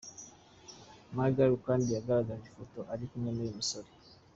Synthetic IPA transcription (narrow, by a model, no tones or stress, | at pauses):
maɡaɾukandijaɡaɾaɡavifotoʔaɾikuɲemejimisoɾi